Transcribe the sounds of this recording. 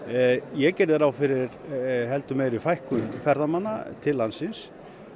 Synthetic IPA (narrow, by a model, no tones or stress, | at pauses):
jɛcɛɾðɪɾawfɪɾɪɾɦɛl̪t̪ʏmɛɾifajhkʏnfɛɾðamanːa̰t̪ʰɪlːansɪns